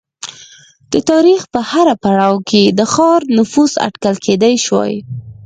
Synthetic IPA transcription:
d̪̥ət̪ɑɾixpəhaɾapaɽɑwkʰed̪əxɑɾnʊfusa̰ʈkalkʰed̪ajʃwɑ̰j

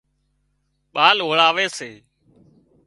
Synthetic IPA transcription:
ɓaːlɦoːɭaːʋeːseː

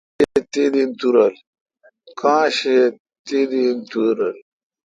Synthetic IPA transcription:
et̪id̪int̪uɾɐl | kʰãːɕe | t̪id̪int̪uɾɐl

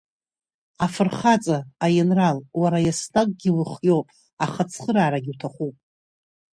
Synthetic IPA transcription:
afɨrχat͡sʼaːjɪnralwaɾajasnakʼɡʲɪlɨχjowpʼ | aχat͡sʰχəɾaːɾaɡʲɪwtʰaχupʼ

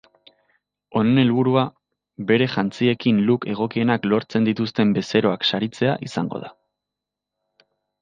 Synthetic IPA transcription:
o̞nene̞lβuɾua | βe̞ɾe̞ʝant͡sie̞kinluke̞ɣ̞o̞kie̞naklo̞ɾt͡se̞nd̪it̪ust̪e̞mbe̞se̞ɾo̞akʃaɾit͡se̞aʔisa̰ŋɡo̞̰ða

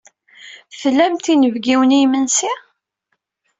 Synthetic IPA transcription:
θəlːæmt̪inəvɡiwənijmənsi

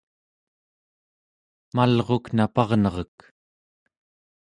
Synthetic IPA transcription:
malʁo̞knapɑʁnʌʁʌk

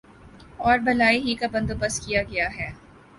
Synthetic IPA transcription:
ɔːɾbɐlaːiɦikabɐ̃nd̪obɐskijaɡɐjaɦɛː

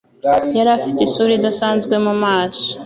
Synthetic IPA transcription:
jaɾafi̥tesuɾidasaːnzɡwe̞mumaːso̥

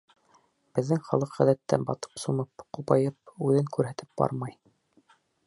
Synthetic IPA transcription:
b̥ɘ̆ðːɘŋχɑlˠɤqʁæðæt̪ːænbɑt̪ɤ̥psumɤpqupɑjɤp̚ʉðɘŋkʉɾɦæt̪ɘp̚b̥ɑ̰ɾmɑj

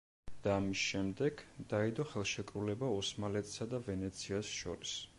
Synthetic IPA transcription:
d̪̥aːmisʃɛmd̪ɛɡ̥d̪̥aid̪ɔχɛlˠʃɛkʼɾulɛbaɔsmalɛt̪ʰʼsad̪avɛnɛt̪sʰiasʃɔ̰ɾis

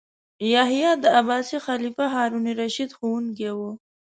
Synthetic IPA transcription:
jɑɦjɑd̪əabɑːsixalifaɦɑɾuniɾaʃid̪xowuŋk̬ewu

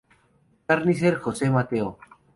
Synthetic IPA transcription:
aɾnis̬eɾxosemat̪eo

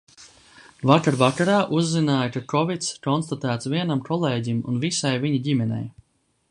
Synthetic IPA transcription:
vakaɾvakaɾaːʔuzːinaːjkakɔvit̪skɔnst̪at̪æːt̪sviɛnamkʰɔlˠɛːɟimṵnvisajviɲiɟimɛnʲɛ̰j

